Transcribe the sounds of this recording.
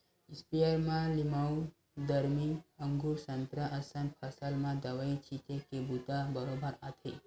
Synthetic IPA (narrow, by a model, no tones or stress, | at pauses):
ispijəɾmãlimaw | d̪əɾmiəŋɡuɾsənt̪ɾəʔəsə̃npʰəsəlmãd̪əʋəit͡ʃʰit̪ʰekebut̪abəɾobəɾat̪ʰe